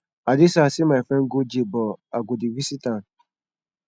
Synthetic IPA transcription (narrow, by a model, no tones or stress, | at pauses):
adɪsasɪmaɪfɾɛ̃nɡod͡ʒebɔaɡʊdiwisitãn